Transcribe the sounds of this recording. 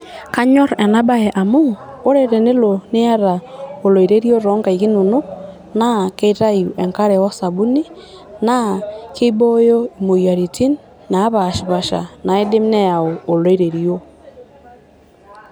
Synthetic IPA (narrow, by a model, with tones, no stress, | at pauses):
ka˦ɲɔ˦ɾe˨na˦ba˦e˨ʔa˨moː˦ɾe˨ɾe˨ne˦lo˨ne˦a˦ɾa˨o˨lo˨i˨ɾe˦ɾjo˦ɾo˨˦ŋɡa˨i˨ɣi˦nu˨no˦ | na˦ke˦i˦ɾa˦ju˨ʔe˨ŋka˦ɾe˨wɔ˦sa˨βu˦ni˦ | na˦ke˦bo˦jo˦i˨mo˨ja˨ɾi˨tʰi˦nː | aː˨˦βa˨ʃi˨βa˨ʃa̰˨na˨e˦de˦mne˦ja˨oː˨lo˦i˦ɾe˨ɾio˦